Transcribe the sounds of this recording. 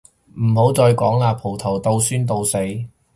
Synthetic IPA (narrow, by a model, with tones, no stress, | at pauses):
m̩˨˩ho˨˥wt͡sɔː˧jkɔː˨˥ŋlaː˨˧pʰo˨˩wt̪ʰo˨˩wt̪o˧wsyː˥nt̪̬o˧wse˨˥j